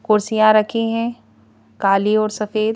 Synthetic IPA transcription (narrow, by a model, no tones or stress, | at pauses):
kʊɾsijãɾɐkʰiɦɛ̃ | kaːliɔːɾsɐfeːd̪